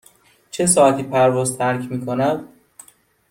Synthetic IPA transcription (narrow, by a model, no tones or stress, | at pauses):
t͡ʃʰe̞sɒːæt̪ʰiːpʰæɾvɒːzt̪ʰæɾcʰmiːkʰonæd̪̥